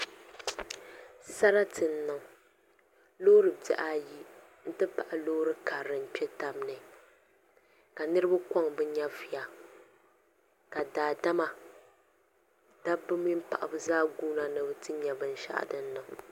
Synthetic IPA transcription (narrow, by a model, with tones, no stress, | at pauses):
sa˦ɾa˦tʰɨ˨n̩˦nɨ˨ŋ˨ | lo˦ɾɨ˨tɛ̰˨ʔa˦ji˦ | n̩˦tɨ˦pa˨ʔa˨loː˦ɾɨ˦ka˨ɾɨ˨m̩˨pʲɛ˦ta˦m˦nɨ˨ | ka˨nɨ˦ɾɨ˦ba˦kɔ˦ŋbɨ˦ɲɛ˦vi˨a˨ | ka˨daː˨da˦ma˨ | d̥a˦bːɨ˦mi˦m˦pa˨ʔa˨bɨ˦zaː˦ɡuː˦na˨nɨ˨bɨ˦tɨ˦ɲɛ˨bɨ˨n˦ʃa̰˦ʔa̰˨dɨ˦n˦nːɨ˨ŋ